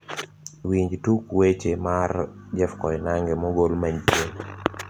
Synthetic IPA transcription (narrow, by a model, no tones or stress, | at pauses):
wiɲd͡ʒtukwet͡ʃemard͡ʒɛfkɔɪnaŋɡɛmɔɡolmaɲpje